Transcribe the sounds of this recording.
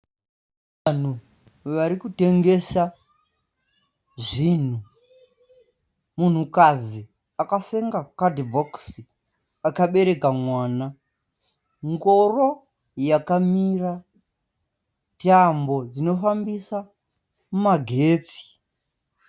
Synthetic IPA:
ʋan̤u | ʋaɾikute̞ŋɡe̞sa | ʐin̤u | mun̤ukad͡zi | akaseŋɡakadibʱoksi | akaɓe̞ɾe̞kamwaːna | ŋɡo̞ro | jakamira | tambo̞d͡zino̞fambisa | mumaɡʱe̞ːt͡si̥

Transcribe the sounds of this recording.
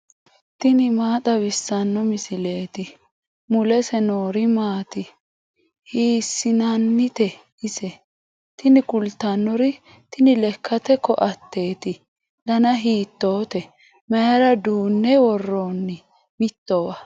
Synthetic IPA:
t̪ɪnɪmaːt̪ʼɐbɪsːɐnːɔmɪsɪleːt̪ɪ | mʊlɛsɛnoːɾɪmaːt̪ɪ | hiːsːɪnɐnːɪt̪ɛ | ɪsɛ | t̪ɪnɪkʊlt̪ːɐnːɔɾɪ | t̪ɪnɪlɛkʰːɐt̪ɛkːɔʔɐt̪ːe̞ːt̪ɪ | d̪ɐnɐɦiːt̪ːoːt̪ɛ | mɛjɾɐd̪uːnːɛwɔrːonːɪ | mɪt̪ːɔwɐ

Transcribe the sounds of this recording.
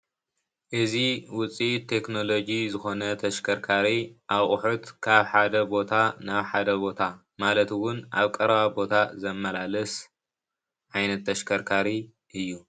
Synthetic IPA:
ʔɨziwʊt͡sʼit̪ʰːe̞kno̞lo̞d͡ʒizɨxo̞nɐt̪ʰɐʃkʰɐɾkʰaɾiʔaβʔʼʊħut̪kʰaβħad̪ɐbo̞t̪ʰanaβħad̪ɐbo̞t̪ʰa | malɐt̪wʊnʔa̰βkʼɐɾɐβabo̞t̪ʰazɐmːɐlalɐs | ʕajnɐt̪ʰːɐʃkʰɐɾkʰaɾi | ʔɨjːu

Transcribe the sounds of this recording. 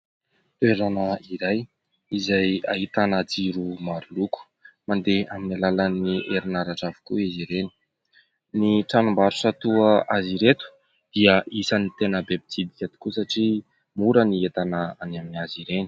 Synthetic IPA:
t̪ueɾanəiɾaj | izaja̰ɦit̪anad͡ziɾumaɾuluku̥ | mand̪eaminalalaniʔeɾinaɾaʈ͡ʂavu̥kuiziɾeni̥ | niʈ͡ʂanumbaɾusat̪uəʔaziɾet̪u̥ | d̪̥iəʔisanit̪enəbebid͡zid̪ikʲat̪i̥kusaʈ͡ʂi | muɾəniet̪anəanaminiaziɾeni̥

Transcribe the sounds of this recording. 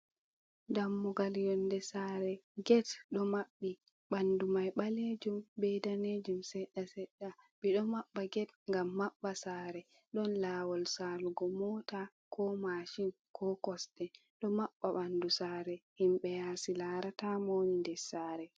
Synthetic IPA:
damːuɡaljɔndɛsaɾɛɡɛtɗɔmaɓːi | ɓandumajɓaled͡ʒumbɛdaned͡ʒumsɛɗːasɛɗːa | ɓiɗɔmaɓːaɡɛtŋɡamːaɓːasaːɾɛ | ɗɔnlaːwɔlsaːluɡɔmɔːta | kʰɔmaʃin | kʰɔkɔsdɛ | ɗɔmaɓːaɓandusaɾɛhimɓɛjasilaɾatamoɲindɛsaːɾɛ

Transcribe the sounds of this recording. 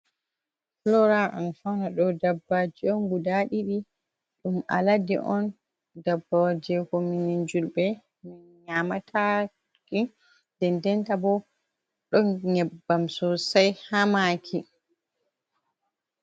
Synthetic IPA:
flɔɾaʔanfanaɗɔdabːad͡ʒiɔnɡudaɗiɗi | ɗuma̰ladḭʔɔn | dabːad͡ʒɛkɔminind͡ʒulbɛ | minɲamatʰa | ki | d̥ɛndɛntabɔ | ɗɔnɲɛbːamsɔsajhamakʰi

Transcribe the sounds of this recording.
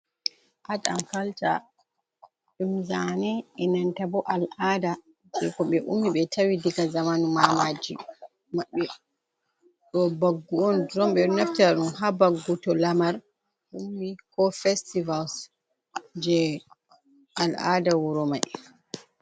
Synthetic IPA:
ʔata̰nkalta̰ | ɗumzanɛɛnantabɔʔalʔada | d͡ʒɛkɔɓɛʔṵmːiɓɛtʰawidiɡazamanumamad͡ʒḭ | maɓɛ | ɗɔbaɡːuɔndɾɔmɓɛnaftaɗumhabaɡːutɔlamaɾ | ʔumːikɔfɛstivals | d͡ʒɛ | ʔala̰dawuɾɔmaj

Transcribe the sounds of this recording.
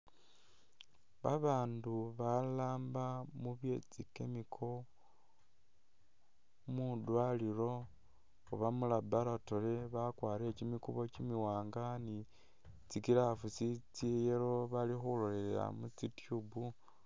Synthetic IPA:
βaβaːnduβalaːmbamuβje̞t͡sike̞mikʰo̞ | mudwaliɾo̞ | oβamulabaɾatoleβakwaːɾecimikuβo̞cimiwaːŋɡani | t͡sikiɾafusit͡sijeɾo̞βalixulole̞lea̰mut͡sitjubu

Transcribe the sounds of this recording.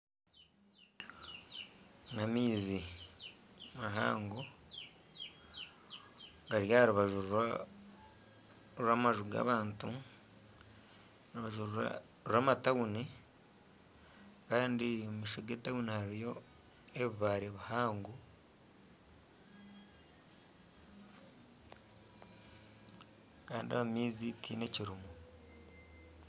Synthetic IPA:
namiːzi | maɦa̰ːŋɡo | ɡaɾjaɾuβaʒu | ɾamaʒuɡa̰ːβaːntu | nuβaʒu | ɾɾaːmatawuni | kaːndiomiʃoɡeːtawunihaɾijo̞ | eβiβaɾeβuhaːŋɡu | kaːndia̰βamiːzitʰine̞ciɾumu

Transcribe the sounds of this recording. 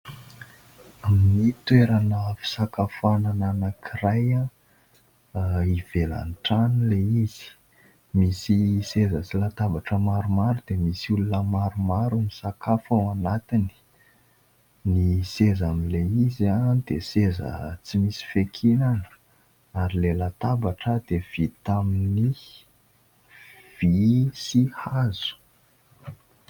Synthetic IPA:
aminit̪weɾanəfi̥sakafanananəkʰiɾaja | iv̥ela̰nʈ͡ʂanileiz̥i̥ | misisezət͡silat̪abaʈ͡ʂəmaɾumaɾud̪emisiulunəmaɾumaɾumisakafawanat̪ini̥ | nisezamileizad̪̥esezə̰t͡simisi̥fekʰinanə̥ | aɾilelat̪abaʈ͡ʂəd̪ev̥it̪amini | v̥isihazu̥

